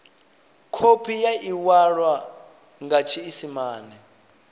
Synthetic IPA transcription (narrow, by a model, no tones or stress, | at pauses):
kʰopʰijaiwaɺwa | ŋɡat͡ʃʰiːsimaːnɛ